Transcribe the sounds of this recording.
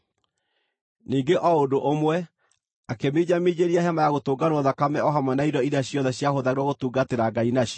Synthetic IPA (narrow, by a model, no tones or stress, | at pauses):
niːŋɡeʔɔodoʔomwɛ | akemiɲamid͡ʑeɾiahɛmajaɣotoːɡanwɔðakamɛɔɦamwanaidɔiɾaɕjɔnðɛɕjahoðaɣeɾwɔɣotuːɡateɾaɡainaɕjɔ